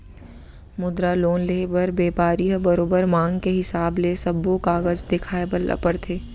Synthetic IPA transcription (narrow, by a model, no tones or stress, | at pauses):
mʊd̪ɾaloːnlebəɾbeːpaːɾiɦəbɐɾoːbəɾmãːŋɡkeɦɪsaːblesɐbːokaːɣəd͡ʒd̪ɪkʰaːebəlɐ̰pəɾt̪ʰeː